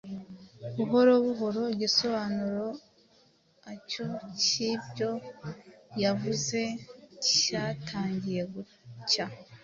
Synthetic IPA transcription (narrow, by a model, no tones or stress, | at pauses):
βuɦo̞ɾo̞βuɦo̞ɾo̞ɟiso̞βaːnuɾo̞ | aco̞cibɟo̞ | javuze̞ci̥catʰaːɲɟije̞ɡu | ca